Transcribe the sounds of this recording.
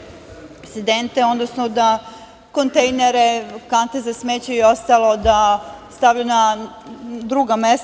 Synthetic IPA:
sed̪ent̪eo̞d̪nosnod̪a | kont̪ejneɾekant̪ezasmeːt͡ɕeiost̪alˠod̪ast̪aʋʎuna | d̪ɾuːɡames

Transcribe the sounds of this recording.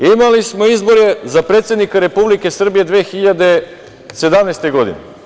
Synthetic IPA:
imalismoizbo̞ɾezapɾeːt̪sʲed̪nikaɾe̞publike̞sr̩bije̞d̪ʋeːxiʎad̪e̞ | se̞d̪amnest̪e̞ɡo̞d̪ḭnḛ

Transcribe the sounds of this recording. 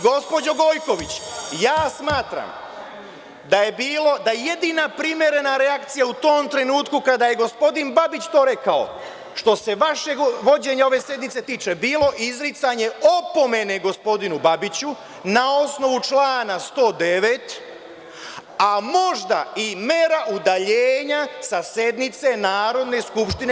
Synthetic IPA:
ɡo̞spod͡ʑoɡo̞jko̞ʋit͡ɕjaːsmaːt̪ɾa̰m | d̪aje̞biːlo̞d̪ajeje̞d̪inapɾimje̞ɾe̞naɾeakt̪sijaut̪oːmt̪ɾe̞nuːt̪kukad̪ajeɡo̞spo̞d̪inbabit͡ɕt̪oːɾe̞kao̞̰ | ʃt̪o̞se̞ʋaʃeʋo̞d͡ʑe̞ɲao̞ʋe̞sje̞d̪nit̪se̞t̪iːt͡ʃe̞biːlo̞ʔizɾit̪saɲe̞o̞po̞me̞ne̞ɡo̞spo̞d̪inubabit͡ɕu | nao̞sno̞ʋut͡ʃlaːnast̪o̞ːd̪e̞ʋe̞t̪ | amo̞ʒd̪aimeɾaʔud̪aʎeːɲasasje̞d̪nit̪se̞naːɾo̞d̪ne̞skupʃt̪in

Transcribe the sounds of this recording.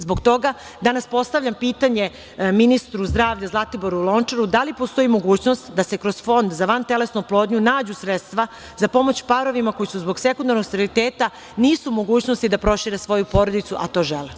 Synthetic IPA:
zbo̞ɡt̪o̞ɡa | d̪anaspo̞st̪aʋʎʲampiːt̪aɲe̞ | minist̪ɾuzd̪ɾaːʋʎazlˠat̪iboɾuulˠo̞nt͡ʂaɾud̪alipost̪o̞jimo̞ɡuːt͡ɕno̞st̪d̪asekɾo̞zfo̞nd̪zaʋant̪e̞lesnuplˠoːd̪ɲunaːd͡ʑusɾet̪st̪ʋa | zapo̞mo̞t͡ɕpaɾo̞ʋimako̞jisuzbo̞ɡse̞kund̪aɾnoɡst̪aɾilit̪eːt̪a | niːsumo̞ɡuːt͡ɕno̞st̪id̪apɾo̞ʃiɾesʋo̞jupo̞ɾo̞d̪it̪suʔat̪o̞ːʒele

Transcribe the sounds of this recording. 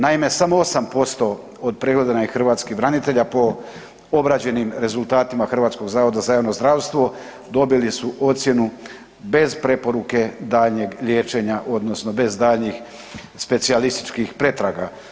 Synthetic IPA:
naime̞samo̞o̞sampo̞st̪o̞ | od̪̚pɾe̞ɡle̞d̪anaixr̩ʋaːt̪skibɾanit̪e̞ʎapo̞ | o̞bɾad͡ʑe̞nimɾe̞zulˠt̪aːt̪imaxr̩ʋaːt̪sko̞ɡzaːʋo̞d̪azajaʋno̞zd̪ɾaːʋst̪ʋo̞ | d̪o̞bilisuʔo̞t̪sʲje̞nu | be̞zpɾe̞po̞ɾuke̞d̪aːʎɲe̞ɡʎje̞ːt͡ʃe̞ɲaʔo̞d̪no̞sno̞be̞zd̪aːʎɲix | spe̞t̪sialist̪i̥t͡ʃkixpɾe̞t̪ɾaɡa

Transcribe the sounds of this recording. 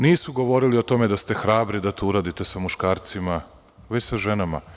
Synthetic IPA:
niːsuɡo̞ʋo̞ɾilio̞t̪o̞med̪ast̪exɾaːbɾid̪at̪uuɾad̪it̪e̞samuʃkaːɾt̪sima | ʋet͡ɕsaʒenama̰

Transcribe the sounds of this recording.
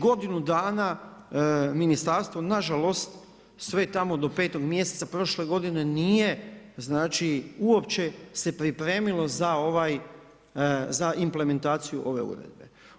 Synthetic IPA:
ɡo̞d̪inud̪aːna | minist̪aɾst̪ʋo̞naʒalo̞st̪ | sʋe̞t̪amo̞d̪o̞peːt̪o̞ɡmje̞set̪sapɾo̞ʃle̞ɡo̞d̪ine̞nije̞ | znaːt͡ʃiuo̞pt͡ʃe̞se̞pɾipɾe̞ːmilˠo̞zao̞ʋaj | zaʔimple̞me̞nt̪aːt̪sijuʔo̞ʋe̞̰ṵɾḛd̪̚be̞̰

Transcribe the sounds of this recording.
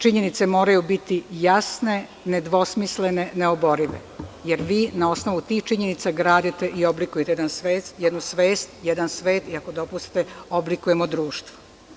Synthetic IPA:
t͡ʃiɲe̞nit̪se̞mo̞ːɾajubit̪ijasne̞ | ned̪ʋo̞smisle̞ne̞neobo̞ɾiʋḛje̞ɾʋiːnao̞sno̞ʋut̪iːxt͡ʃiɲe̞nit̪saɡɾaːd̪it̪e̞ʔio̞blikujet̪ejed̪ansʋeːst̪jɛd̪nusʋe̞ːst̪jed̪ansʋe̞ːt̪iakod̪o̞pust̪i̥t̪eoblikuje̞mod̪ɾuːʃt̪ʋo̥

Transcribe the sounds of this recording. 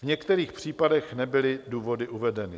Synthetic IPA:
vɲɛkt̪ɛɾiːxpr̝̥iːpadɛxnɛbɪlɪduːvo̞dɪʔuvɛdɛnɪ

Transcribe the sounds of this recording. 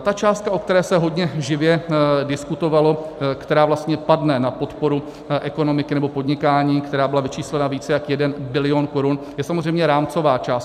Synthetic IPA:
t̪at͡ʃaːst̪̚kaʔok̚t̪ɛɾɛːsɛɦo̞dɲɛʒɪvjɛdɪskut̪o̞valo̞kt̪ɛɾaːvlast̪ɲɛpadnɛnapo̞t̪po̞ɾu | ʔɛko̞no̞mɪkɪnɛbo̞po̞dɲɪkaːɲiːkt̪ɛɾaːbɪlavɪt͡ʃiːslɛnaviːt͡sɛjakjɛdɛnbɪlɪonko̞ɾun | jɛsamozrɛjmɲɛɾaːmt͡so̞vaːt͡ʃaːs

